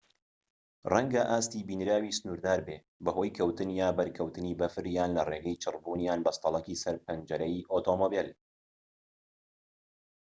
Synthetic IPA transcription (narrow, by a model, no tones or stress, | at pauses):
rɐŋɡɐʔaːst̪iːbiːnɾaːwiːsɨnuːɾd̪aːɾbeː | bɐɦo̞ːjkʰɐwt̪ɨnjaːbɐɾkʰɐwt̪ɨniːbɐfɨɾjaːnlɐreːɡɐjt͡ʃʰɨrbuːnjaːnbɐst̪ɑlˠɐkiːsɐɾpʰɐnd͡ʒɐɾɐjʔoːt̪oːmoːbil